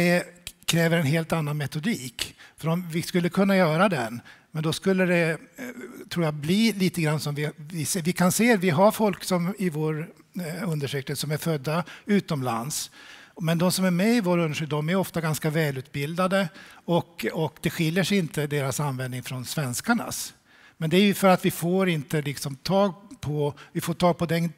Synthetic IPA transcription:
d̪ɛkʰɾɛːvəɾɛnɦeːlt̪anːanmɛt̪ʊd̪iːkfœɾɔmvɪskɵlːəkʰɵnːajœːɾad̪ɛnmɛnd̪ɔskɵlːəd̪ɛ | t̪ʰɾuːjabliːliːt̪əɡɾanːsɔmvɪvɪsvɪkʰanseːvɪɦaɾfɔlksɔmɪvoːɾ | ɵnd̪əʂʏːk̚t̪əsɔmæɾfœd̪ːaʉ̟ːt̪ɔmla̰nsmɛnd̪ɔmsɔmæɾmɛɪvoːɾɵnd̪ʂyd̪ɔmæjɔft̪aɡanskavɛːlʉ̟ːt̪̚bɪld̪ad̪əɔkɔkd̪ɛɧɪljːəʂɪnt̪ʰəd̪eːɾasanvɛnd̪nɪŋfɾɔnsvɛnskaɳa̰s | mɛnd̪ɛæɾjɵfœɾat̪vɪfoːɾɪnt̪əlɪksɔmt̪ʰɑːɡpʰɔvɪfoːʈʰɑːɡ̚pɔd̪ɛn

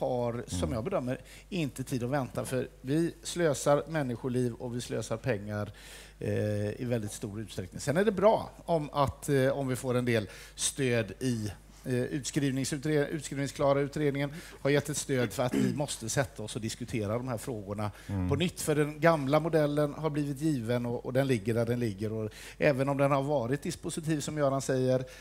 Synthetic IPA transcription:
haɾsɔmjɑːɡbɛd̪œmːəɾ | ɪnt̪ət̪ʰiːd̪ɔvɛnt̪afœɾvɪsløːsaɾmɛnːɪɧʊɭiːvɔvɪslø̰ːsaɾpʰɛŋːaɾ | ɪ̰vɛld̪ɪt̪st̪uːɾʉ̟ːt̪st̪ɾɛk̚nɪŋsɛnæɖɛbɾɑːɔmat̪ɔmvɪfoːɾɛnd̪eːl | st̪øːd̪ɪ | ʉːt̪skɾiːvnɪŋsʉt̪ɾʉ̟ːt̪skɾiːnɪŋsklɑːɾaʉ̟ːt̪ɾeːd̪nɪŋən | haɾjɛt̪ːɛt̪st̪øːd̪fœɾat̪vɪmɔst̪əsɛt̪ʰːaɔsɔd̪ɪskɵt̪ʰeːɾad̪ɔmhæːɾfɾoːɡʊɳapʰɔnʏt̪ːfœɖɛnɡamlamʊd̪ɛlːənhaɾbliːvɪt̪jiːvənɔɔd̪ɛnlɪɡːəɖæɖɛnlɪɡːəɾɔ | ʔɛːvənɔmd̪ɛnhaɾvɑːɾɪt̪̚d̪ɪspʊsɪt̪ʰiːvsɔmjœːɾhansɛjːəɾ

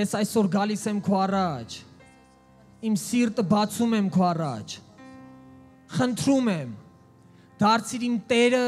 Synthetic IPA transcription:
jɛsɑjsɔɾɡɑlisɛmkʰɔɑrɑt͡ʃʰ | imsiɾt̪əbɑt͡sʰumɛmkʰɔɑrɑt͡ʃʰ | χənt̪ʰɾumɛm | d̪̥ɑɾt͡sʰiɾimt̪ɛɾə

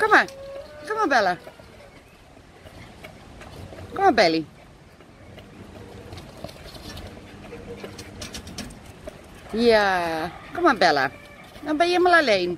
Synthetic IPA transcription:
kamakamabɛla | kamabɛli | jakamabɛla̰ | nabajemalalɛin

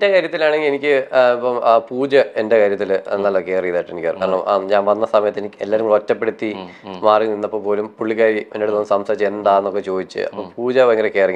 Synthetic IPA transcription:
endekaːɾjɐt̪ːilaːɳe̞ŋɡilenikʲːɨipːɐmaːpuːd͡ʑɐende̞kaːɾjɐt̪̬ːil̰nːɐlːɐkːeeːrijðaːjʈːɨenikʲːkaːkaːɾɐɳɐmɲaːnʋɐnːɐsɐmɐjɐt̪ːenikʲːɨelːaːɾumrɐtːɐpːe̞ɽut̪ːi | maːrininːɐpːompoːlumpuɭːikaːɾimɐ̰nːoɽet̪oːnːɨsɐmsaːit͡ɕːend̪aːenːo̞kːe̞t͡ɕo̞ːd̪it͡ɕːɨ̰ɐ̰pːompuːd͡ʑɐʋɐŋɡɐɾokːeriŋ

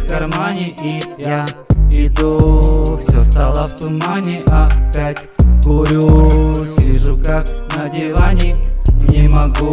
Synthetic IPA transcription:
kɐrmanʲɪʔijaɪd̪ufsʲost̪alˠəft̪ʊmanʲɪʔɐpʲatʲɡʊɾʲusʲɪʐukaknɐdʲɪvanʲɪknʲɪmɐɡu

